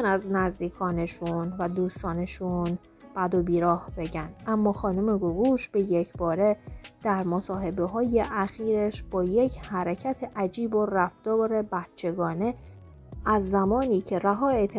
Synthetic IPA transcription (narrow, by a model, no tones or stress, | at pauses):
næznæzd̪iːkʰɒːne̞ʃunvæd̪uːst̪ɒːne̞ʃun | b̥æd̪obiːɾɒːhb̥e̞ɟænd̪̥ʔæmːɒːxɒːnume̞ɡoɣuːʃb̥e̞je̞cʰbɒːɾe̞d̪̥æɾmosɒːɦe̞be̞ɦɒːje̞ʔæxiːɾeʃb̥ɒːje̞cʰhæɾecʰæt̪ʰeʔæd͡ʒiːbo̞ræft̪ɒːɾe̞bæt̪t͡ʃʰe̞ɡɒːne̞ | æzːæmɒːniːcʰe̞ɾæɦɒːet̪ʰ